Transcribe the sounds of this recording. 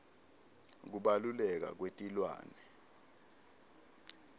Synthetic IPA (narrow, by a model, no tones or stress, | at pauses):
k̬uɓalulɛk̬a̰k̬wetʼilwa̰ːnɛ